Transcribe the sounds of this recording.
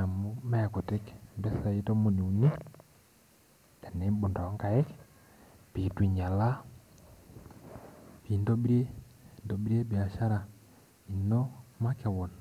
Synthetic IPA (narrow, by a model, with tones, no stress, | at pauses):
a˨mo˦mɛ˦a˨ko˨tɪ˦kbɛ˦sa˨i˦to˦mo˨ni˨u˨ni˦ | dɛ˨nɛ˨˦bu˨ndɔ˨˦ŋka˨ɛ˦k | pi˨ti˨ɲa˨la˦ | pi˨ndo˦bi˦ɾe˦˨ndo˨bi˦ɾe˦bi˨a˨ʃa˦ɾa˨ | i˨no˦ma˦kɛ˨wɔ˨n